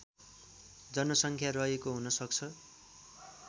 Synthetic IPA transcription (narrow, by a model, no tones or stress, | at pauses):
d͡zʌnʌsʌŋkʰjarʌɦekoɦunʌsʌk̚t͡sʰʌ